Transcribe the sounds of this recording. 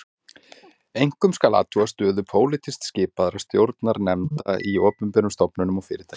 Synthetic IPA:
ejŋ̥kʏmskala̰ːt̪ʰuast̪œːðʏpʰoːwlɪt̪ʰɪst̪scɪːpaðɾast̪jowɾt̪naɾnɛmt̪a̰ʔiɔːpʏmpɛɾʏmst̪ɔpnʏnʏmɔɣfɪːɾɪɾt̪ʰaj

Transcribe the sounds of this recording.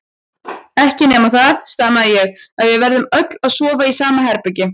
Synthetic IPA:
ɛhcɪnɛːmaθaðst̪amaðɪjɛɣaðvɪðvɛɾðʏmœt̪laðsɔːvaisaːmahɛɾpʏɥcɪ

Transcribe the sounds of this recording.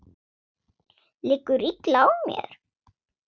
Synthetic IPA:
lɪkːʏɾiklawmjɛ̰ɾ̥

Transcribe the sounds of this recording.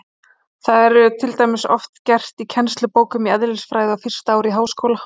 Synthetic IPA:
θaðɛɾt̪ʰɪlt̪ajmɪsɔft̪cɛr̥t̪icʰɛnst̪lʏpoːwkʏmiɛðɾɪsfɾaːjðɪawfɪr̥st̪aaːwɾiɦaːwskoːwla

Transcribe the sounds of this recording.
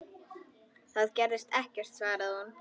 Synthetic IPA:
θaðcɛɾðɪst̪ɛhcɛr̥t̪svaːɾaðhanː

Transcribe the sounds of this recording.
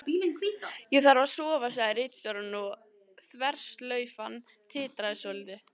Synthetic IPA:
piːlɪnkʰvijɛɣθaɾvasɔːvas̬aɪɾejt̪st̪ɔɾʏnːu | θvɛr̥st̪lœːɥfan | t̪ʰɪːt̪ɾaðɪsɔlɪt̪ɪ

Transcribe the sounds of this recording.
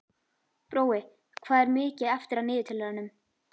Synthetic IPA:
pɾoːwɪ | kʰvaːðɛɾmɪːcɪɛft̪ɪɾaðnɪːðɪt̪ʰɪlɛɾanʏm

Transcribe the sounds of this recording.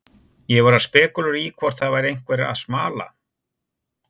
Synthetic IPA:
jɛɣvaɾaðspɛːkʏlʏɾikʰvɔɾ̥θaðvaːjɾɪejŋ̥kvɛɾa̰ðsmaːla̰

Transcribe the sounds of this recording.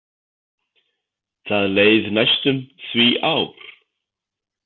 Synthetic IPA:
θaðleːjðnajst̪ʏmθviːʔawɾ̥

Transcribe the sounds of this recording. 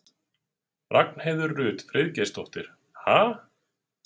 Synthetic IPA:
raknheːjðʏɾrʏːt̪fɾʔɪðcest̪ɔht̪ɪɾ̥ | haː

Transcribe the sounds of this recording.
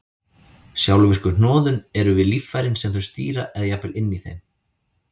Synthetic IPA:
sjawlvir̥kʏnnɔːðʏnɛɾʏvɪðlifːajɾɪnsɛmθœɥst̪ḭːɾaʔɛðjapɪlɪnːiθejm

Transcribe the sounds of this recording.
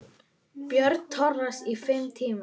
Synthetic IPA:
pjœɾt̪t̪ʰɔɾnasifɪmt̪ʰiːma

